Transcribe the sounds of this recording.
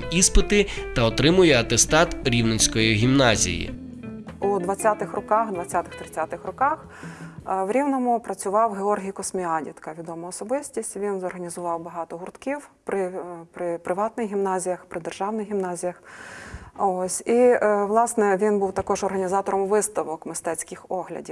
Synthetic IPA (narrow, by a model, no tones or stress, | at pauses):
ispɪt̪ɪt̪ɐɔt̪ɾɪmʊjɛɐt̪ɛst̪ɑt̪ɾʲiwnesʲkɔjiɦʲimnɑzʲḭjḭ | ud̪ʋɐt͡sʲːat̪ɪxrɔkɑxd̪ʋɐt͡sʲːat̪ɪxt̪ɾɪt͡sʲat̪ɪxrɔkɑx | ʋɾʲiwnɔmʊpɾɐt͡sʲʊʋɑwɦeɔrɦʲijkɔsmʲiɑdʲḭt̪kɐʋʲid̪ɔmɐɔsɔbɪsʲtʲisʲtʲʋʲinzɔrɦɐnʲizʊʋɑwbɐɦɑt̪ɔɦʊrt̪kʲiwpɾɪpɾɪpɾɪʋɑt̪nɪxɦʲimnɑzʲijɐxpɾɪd̪erʒɑwnɪɣɦʲimnɑzʲijɐx | ɔsʲiʋlˠɑsnɛʋʲinbuwt̪ɐkɔʒɔrɦɐnʲizɑt̪ɔɾɔmʋɪst̪ɐʋɔkmɪst̪ɛt͡sʲkɪxɔɦlʲɐ̰dʲiw